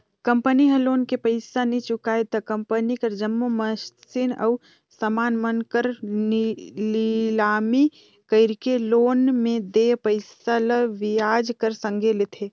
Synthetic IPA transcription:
kə̃mpəniɦəloːnkepəɪsanit͡ʃʊkaːet̪ɐkə̃mpənikəɾd͡ʒəmːoməssinə̰ʊ | səmaːnmənkəɾnililaːmi | kəɪɾkeloːnmẽd̪eːpəɪsaləʋɪjaːd͡ʒkəɾsə̃ŋɡʱelet̪ʰeː

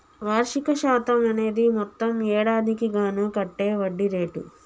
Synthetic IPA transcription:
ʋaːɾʂikɐʃaːt̪ɐmɐne̞ːd̪imɔt̪ːɐmɛːɽaːd̪ikiɡaːnukɐʈːe̞ːʋɐɖːiɾeːʈṵ

